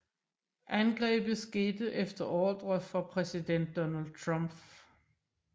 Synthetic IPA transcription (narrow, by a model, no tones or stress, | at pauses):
ʔænɡ̥ʁɛ̰ːb̥ð̩ˠsɡ̥e̝ːd̥ð̩ʔefd̥ɐʔɒːd̥ʁɐfɒ̽pʰʁɛsid̥en̰d̥ːɒnæld̥̚t͡sʰʁɑmb̥